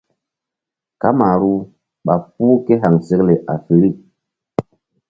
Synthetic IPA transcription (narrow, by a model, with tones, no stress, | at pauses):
ka˦ma˨ɾu˦ | ɓa˨fuː˦ke˦ɦa˨ŋse˦kle˨ʔa˨fi˨ɾi˦˨